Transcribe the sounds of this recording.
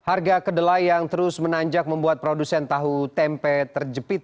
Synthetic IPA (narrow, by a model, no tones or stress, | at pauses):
harɡakədəlajjaŋt̪əɾʊsmənaɲd͡ʒak̚məmbuat̪̚pɾodusɛnt̪aɦut̪ɛmpɛt̪ərd͡ʒəpɪt̪̚